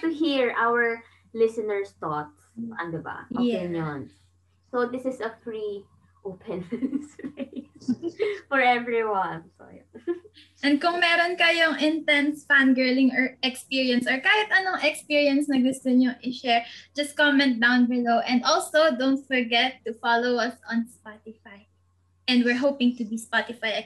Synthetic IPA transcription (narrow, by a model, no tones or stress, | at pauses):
t̪ʊɦiɹʔawəɹ | lɪsɪnɛɹst̪ɔt̪sɐ̰̃nd̪ɪba̰ʔʔojɛɪnjon | sod̪ɪsɪsɐfɹi | ʔopʰɪ̃nspesfɔɹɛvɹiwãnso̰j | ʔɛ̃nd̪̚kʊŋmɛːɾonkɐjoŋʔɪnt̪ɛnsfanɡɛɹlɪ̃ŋɔɹɛkspiɹiɐnsɔɹkaːhɪt̪ɐnoŋʔɛkspiɹiɐnsnɐɡʊst̪ʊɲoŋʔɪʃɛɹd͡ʒɐskɔmɛ̃nt̪̚d̪awnbɪlowʔɛ̃nd̪ʔɔlsowd̪õwnt̪̚fɔɹɡɛt̪ːʊfalowɐsɔ̃nspat̪ɪfaj | ʔɛ̃nd̪wɪɹɦowpɪ̃ŋt̪ʊbispat̪ɪfaj